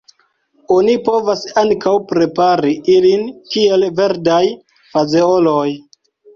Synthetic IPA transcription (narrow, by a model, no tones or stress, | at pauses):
o̞nipo̞vasaŋkawpɾe̞paɾiʔilinkie̞lve̞ɾdaj | fazeo̞loj